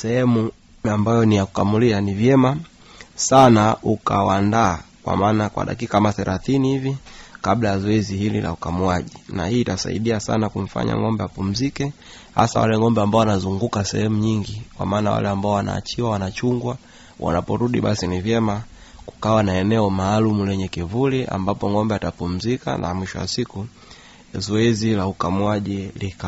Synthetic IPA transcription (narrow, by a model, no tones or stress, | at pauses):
sɛhɛmu | ambajɔnijaku̥kamulianivjɛma | sanaʔukawandaːkwa̰maːnakwa̰ɗa̰kikaamaθɛɾʔaθinihivikablajazɔɛzihilḭla̰ukamuaʄinahiːtasa̰ḭɗiasa̰nakuɱ̩fa̰ɲa̰ŋɔmbɛjapum̩zikɛ | ha̰sa̰wa̰lɛŋɔmbɛambaɔwanazuŋɡukasɛ̰hɛmuɲiŋɡikwa̰maːnawa̰lɛambaɔwana̰ːt͡ʃiwawanat͡ʃuŋɡwa | wʔa̰napɔɾuɗiɓasinivjɛma | ku̥kawanaɛnɛɔmaːlumulɛɲɛkivuliʔa̰mbapɔŋɔmbɛatapum̩zika̰nʔa̰mwiʃɔwa̰siku | zɔɛzilaukamuaʄilika